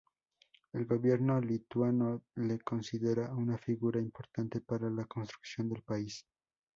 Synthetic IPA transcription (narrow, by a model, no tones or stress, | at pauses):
e̞lɡo̞βje̞ɾno̞lit̪wanoleko̞nsiðeɾaunafiɣuɾaimpo̞ɾt̪ant̪e̞paɾalako̞nst̪ɾu̥ksjo̞nd̪elpais